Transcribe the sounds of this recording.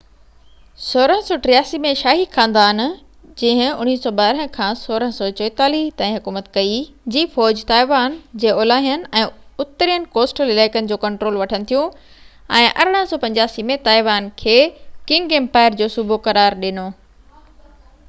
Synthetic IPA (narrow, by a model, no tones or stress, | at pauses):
soːɾəɦə̃sɔːʈɾɪjaːsimẽʃaːɦixãːnd̪aːn | d͡ʑĩːɦɪ̃ʊ̰ñ̤iːsɔːɓaːɾəɦə̃kʰãːsoːɾəɦsɔːt͡ɕɔɪt̪aːliɦt̪ãːĩɦʊkuːmət̪kɐid͡ʑiːfɔːd͡ʑt̪aːɪʋaːnd͡ʑeːoːlaːɦijənɪ̆ɛ̃ːʊt̪ːəɾjənɪ̆koːsʈəlɪlaːɪkənɪ̆d͡ʑoːkɐ̃ɳʈɾoːlʋɐʈʰənɪ̆t̪ʰijũ | ɛ̃ːʔɐ̰ɾəɽ̃əɦə̃sɔːpɐ̃ɲd͡ʑaːsimẽt̪aːɪʋaːnkʰeːkɪ̃ŋɡɡeːmpaːɪəɾd͡ʑoːsʊbʱokɐɾaːɾɗɪnoː